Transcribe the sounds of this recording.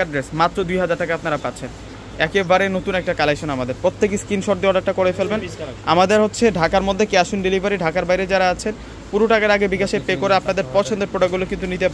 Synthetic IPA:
aɖɾesmat̪ːɾod̪ujɦad͡ʑaɾʈakaapnaɾapat̪ːɕʰen | ɛkebaɾenot̪unɛk̚ʈakalekʃonamad̪eɾpɾot̪ʰːek̬iskinʃɔɾd̪eɔɖak̚ʈakɔɾefelbena̰mad̪eɾɦotːɕʰeɖʱakaɾmod̪ʱːekeaʃunɖelibʱaɾiɖʱakaɾbajɾed͡ʑaɾaat͡ɕʰen | puɾoʈakaɾaɡebiɡaʃeɾpekoɾeapnad̪eɾpɔt͡ɕʰond̪eɾpɾoɽaɡulokint̪unit̪e

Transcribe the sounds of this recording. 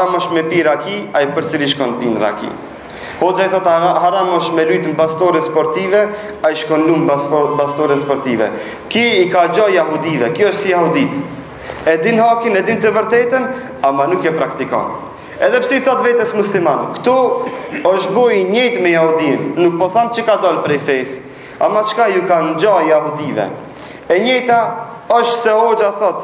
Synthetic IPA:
aɾamɔʃt̪mɛpiɾakiajpəɾt͡siliʃ̬kɔnpinɾa̰kḭ | hɔd͡ʒajθat̪haɾamɔʃmɛlut̪əmpast̪ɔɾɛspɔɾt̪ivɛ | ajʃkɔnlumpast̪ɔɾɛspɔɾt̪ivɛ̰ | kiikad͡ʑɔjaɦud̪ivɛkjɔəʃt̪sijahud̪it̪ | ɛd̪inɦakinɛd̪int̪əvəɾt̪ɛt̪ən | amanukɛpɾakt̪ikɔ̰n | ɛðɛpsiiθɔt̪vɛt̪ɛsmuslimankt̪u | ɔʃʃbɔjiɲɛjt̪mɛjahud̪inːuk̚pɔθamt͡ʃəkad̪ɔlpɾɛjfɛs | a̰mat͡ʃkajukand͡ʒɔjaɦud̪ivɛ̰ | ɛɲɛjt̪a | ɔʃt̪sɛhɔd͡ʒaθɔt̪

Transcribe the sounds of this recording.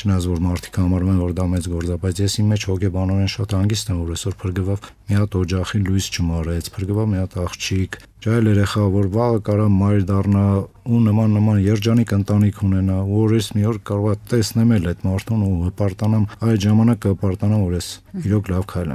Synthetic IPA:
t͡ʃʰənɑjɑt͡sʰvɔɾmɑɾt̪ʰi̥kʰəhɑmɑɾumɛmvɔɾd̪ɑmɛt͡sɡɔɾt͡sɑbɑjt͡sʰjɛsimːɛt͡ʃʰhɔkʰɛbɑnɔɾɛnʃɑt̪hɑŋɡist̪ɛmvɔɾɛsɔɾpʰəɾɡəvɑv | miɑt̪ɔd͡ʒɑχilujst͡ʃʰəmɑɾɛt͡sʰpʰəɾɡəvɑvmijɑt̪ɑχt͡ʃʰikʰ | t͡ʃʰɑjlɛɾɛχɑvɔɾvɑʁəkɑɾɑmɑjɾd̪ɑrnɑ | unəmɑnːəmɑnjɛɾd͡ʒɑnikʰənt̪ɑnikʰunɛnɑuɔɾɛsmiɔɾkɑɾɔʁɑt̪ɛsnɛmɛlɛt̪mɑɾt̪ʰunuɦəpɑɾt̪ɑnɑmɑjlʒɑmɑnɑkːəəpɑɾt̪ɑnɑmvɔɾjɛsiɾɔkʰlɑvkʰɑjlɛ̰m

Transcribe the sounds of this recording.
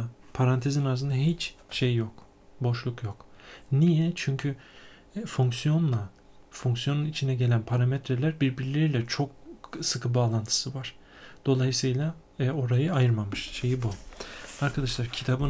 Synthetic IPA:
pʰaɾant̪ʰezinazɯnd̪aɦit͡ʃʃejjo̞k | bo̞ʃlˠukjo̞knijɛt͡ʃʰyɲcʰy | foŋksijo̞nlˠa | foŋksyjo̞nunit͡ʃʰinɛɟelʲænpʰaɾamet̪ʰɾelʲæɾbiɾbiɾilʲeɾilʲɛt͡ʃʰo̞k̚sɯkʰɯbaːlˠant̪ʰɯ̥sɯvaɾ̥ | d̪̥o̞lˠajɯsɯjlˠa | o̞ɾajɯajɯɾmamɯʃʃe̞jibuaɾkʰad̪aʃlˠaɾcʰit̪ʰabɯ

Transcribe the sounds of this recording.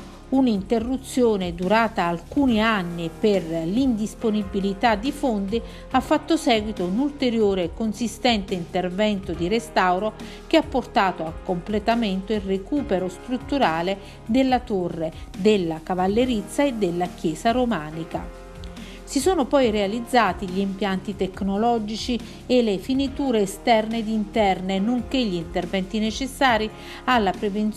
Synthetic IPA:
unint̪erːut̪sːjoːned̪uɾaːt̪aːlkuːnianːiperlind̪isponibilit̪ad̪ːifond̪i | afːat̪ːosɛːɡwit̪onult̪eɾjoːɾeːkonsist̪ɛnt̪eint̪ervɛnt̪od̪iɾest̪awɾo | k̟eapːort̪aːt̪oakːomplet̪ament̪oilrekuːpeɾost̪ɾut̪ːuɾaːle | d̪elːat̪orːed̪elːakavalːeɾit̪sːaed̪elːak̟jɛːsaɾomaːnika̰ | sisoːnopɔjrealid̪zːaːt̪iʎiːmpjant̪it̪ɛkːnolɔd͡ʒit͡ʃi | elefinit̪uːɾeːst̪ɛrned̪int̪ɛrnenoŋkeʎːint̪ervɛnt̪inet͡ʃesːaːɾi | alːapɾevent̪

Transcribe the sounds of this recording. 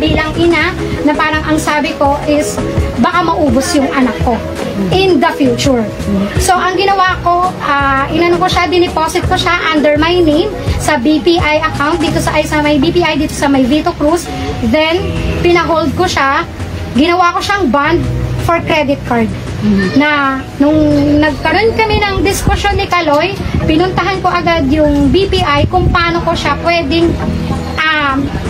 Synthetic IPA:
biːlɐŋʔɪna | nɐpaːɾɐŋʔɐŋsaːbɪko̞ʔɪsbɐkamɐʔuːbosjʊŋʔɐnakːo̞ | ʔɪ̃nd̪ɐfjuːt͡ʃʊɹ | soʔɐŋɡɪnɐwako̞ʔaːʔɪnɐnoŋkoʃad̪ɪnɪposɪt̪̚koʃaʔɐnd̪ɛɹmajnem | sɐbipiʔajɐkawnt̚d̪iːt̪o̞sɐʔɐjsɐmɐjbipiʔajd̪iːt̪osɐmɐjviːt̪okɾus | ðɛnpɪnɐɦold̪̚koʃa | ɡɪnɐwako̞ʃaŋband̪̚fɔɹkɾɛd̪ɪt̪̚kaɹd̪̚ | nɐ | nʊŋnɐɡ̚kɐɾo̞nkɐmɛnɐŋd̪ɪskʊʃjo̞nːɪkɐlojpɪnʊnt̪ɐɦanko̞ʔɐɡad̪jʊŋbipiʔajkʊŋpɐaːnokoʃapwɛːd̪ɪŋ | ʔɐm

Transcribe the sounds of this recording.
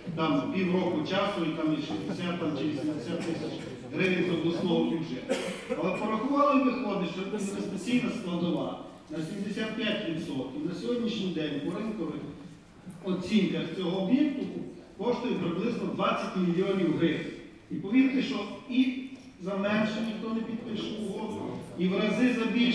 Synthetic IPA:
t̪ampʲiwɾɔkʊt͡ʃɑsʊit̪amiʃɪzʲd̪esʲat̪̚t̪amt͡ʃɪʋʲisʲemd̪esʲat̪ːɪsʲɐt͡ʃʲ | ɦɾɪʋʲɪnʲzɐwd̪ɔsnˠɔʋʊbʲiwʒɛt̪ɐlˠɛpɔɾɐxʊʋɑlˠɪiʋɪxɔd̪ɪʃt͡ʃɛɛnɛspet͡sʲijnɐsklˠɐd̪ɔʋɑ̰ | nɐsʲimd̪esʲat̪̚pʲjatʲʋʲit̪sɔt̪kʲinɐsʲɔɦɔdʲnʲiʃnʲijd̪ɛnʲpɔɾɪnkɔʋɪx | ɔt͡sʲinkɐxt͡sʲɔɦɔːbjɛk̚t̪ʊkʊkɔʃt̪ʊjʊɛpɾɪblˠɪznɔd̪ʋɑt͡sʲːɐtʲmʲilʲiɔnʲiwɦɾɪʋnʲ | ipɔʋʲiɾt̪ɪʃt͡ʃɔi | zɐmɛnʃɛnʲixt̪ɔnɛpʲid̪pɪʃɪʋʊɦɔd̪ʊiʋɾɐzɪzɐbʲi

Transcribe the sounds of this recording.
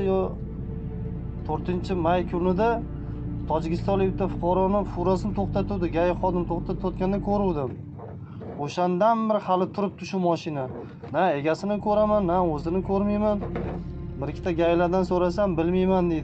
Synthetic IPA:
j | t̪ʰɵɾt̪ɪnt͡ʃʰɪmajkʲʰʊnɪd̪a | t̪ʰɒd͡ʒɪkʲɪst̪ɒnlɪkʲbɪt̪ːafʊqʰɒɾɒnɪfʊɾasɪnɪt̪ʰoχt̪at̪ʰuwd̪ɪɡʲajɪχɒd̪ɪmt̪ʰoqt̪ʰat̪ʰɒt̪̚kʲanɪnɪkʰɵɾuwd̪ɪm | oʃand̪anbɪɾɪhalɪt̪ʰʊɾɪp̚t̪ʰʊʃʊmɒʃɪna | nae̞ɡʲasɪnɪkʰɵɾamanːaɵzɪnɪkʰɵɾmajman | bɪɾɪkʲʰːɪt̪ʰaɡʲajlaɾd̪ansoɾasambɪlmajmand̪ed̪ɪ

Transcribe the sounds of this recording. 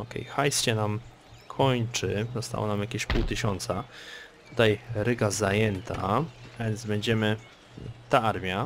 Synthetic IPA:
ɔkɛ̰jxajsɕɛnam | kʰɔɲt͡ʂɘzɔst̪a̰wɔ̰namjakʲeɕpuwt̪ɘɕɔnt̪sat̪ut̪ajɾɘɡazajɛnt̪ʰaavʲjɛnd̪zbɛɲd͡ʑɛmɘ | t̪aaɾmʲja

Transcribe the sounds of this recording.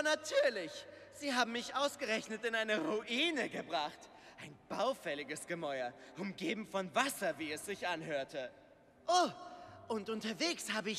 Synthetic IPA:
ɐnatʰyːɐlɪç | z̥iːɦaːbm̩mɪçʔaʊsɡ̥əʁɛçnətɪnaɪnəʁuʔiːnəɡəbʁaχt | ʔaɪnb̥aʊfɛlɪɡəsɡ̥əmɔʏɐʔʊmɡeːbm̩fɔnvasɐviːɛsz̥ɪçʔanɦøːɐtʰə | ʔoːʔʊntʊntɐveːkshaːbəɪç

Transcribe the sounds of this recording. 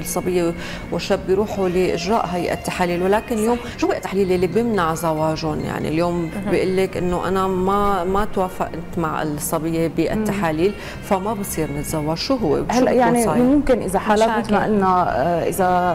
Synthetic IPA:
lsˤːɑbɪjːe | wɪʃːabːjɾuːħulɪʔɪʒɾˤa̰ːʔɦajʔa̰t̪ːaħaːliːlwalaːkɪnɪljoːmʃuːbiːʔt̪ːaħliːlilːibjɪmnaʕzawaːʒoːnja̰ʕnḭljoːmbɪʔɪlːɪkʔɪnːoʔa̰namamat̪waːfa̰ʔɪnt̪maʕɪ̰lsˤːɑbɪjːebiʔa̰t̪ːaħaːliːl | famabɪsˤiːɾnɪt̪zawaːʒʃuːɦʊwːḛhalːaʔjaʕʕniʔmʊmkɪnʔɪzaħalat̪maʔɪnːaʔɪ̰za

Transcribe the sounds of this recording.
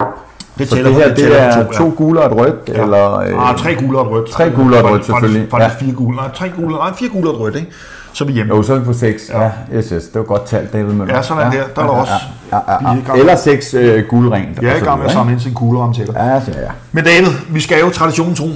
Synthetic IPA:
d̥ese̝ɦeɐ̰d̥e̝æɐt͡sʰo̝̰ːɡ̥uːlɐæd̥ʁœd̥elɐt͡sʰʁɛ̰ːɡ̥uːlɐæd̥ʁœd̥t͡sʰʁɛ̰ːɡ̥uːlɐædʁœd̥seɡ̥føllifɡisɡ̥fiːɐɡ̥uːlnt͡sʰʁɛ̰ːɡ̥uːlfiːɐɡ̥uːlɐæd̥ʁœd̥eɡ̥ | sɒ̽ʋijemosɒ̽pʰɒ̽seɡ̥sæjessd̥e̝ʋɐɡ̥ɒ̽d̥̚t͡sʰæl̰d̥ɛːʋð̩ˠmesɒ̽næ̥heɐ̰d̥ɑɾɒ̽s | ɡ̥elɐseɡ̥søɡ̥uːləʁɛnd̥æesɡɑ̈ŋeɐssɑ̈mn̩ens̬inkʰuːləʁɑ̈mt͡sʰed̥ɐææ | mend̥ɛːʋð̩ˠʋisɡ̥æɛːʊt͡sʰʁɑ̈ɾ̥iɕo̝̰ːn̩t͡sʰʁo̝̰ː

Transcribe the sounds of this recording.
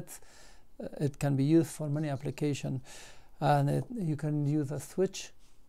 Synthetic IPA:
t | ɪtkə̃nbijuzdfɔɹmɛniæplikʰeɪʃɔ̃nə̃nɪjukʰɨ̃njuːzəswɪt͡ʃ

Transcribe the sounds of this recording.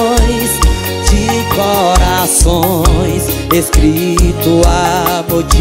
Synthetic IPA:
j̃s | d͡ʒɪkoɾasõj̃s | eskɾit̪ʊabod͡ʒi

